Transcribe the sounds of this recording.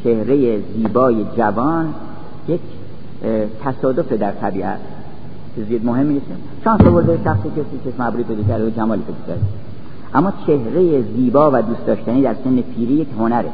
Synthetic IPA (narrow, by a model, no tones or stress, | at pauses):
t͡ʃʰehɾejeziːbɒːje̞d͡ʒævɒːn | jekʰ | t̪ʰæsɒːd̪o̞fed̪æɾt̪ʰæbiːʔæ̰t̪ | kʰezjɒːd̪moɦe̞mːinese | ʃɒːnsovoɾd̪ejeʃæxsikʰesikʰesmæbɾiːpʰejd̪ɔːkʲʰæɾd̪eod͡ʒæmɒːliːpʰejd̪ɔkʰæ̰ɾd̪e | ʔæmːɒːt͡ʃʰe̞hɾejeziːbɒːvæd̪uːst̪d̪ɒːʃt̪æniːd̪æɾse̞nːepʰiːɾijekhonæɾe